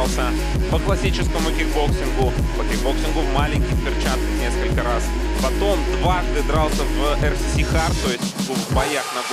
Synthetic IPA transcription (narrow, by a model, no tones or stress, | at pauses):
lˠsʲə | pəklˠɐsʲit͡ɕɪskəmʊkʲɪɡboksʲɪnɡʊ | pəkʲɪɡboksʲɪnɡʊmalʲɪnʲkʲɪjpʲɪrt͡ɕat̪əknʲe̞skəlʲkəɾas | pɐt̪o̞md̪vaʐd̪ɨd̪ɾalˠsʲəvɛrsʲɪxart̪ot̪ʊbɐjaxnɐ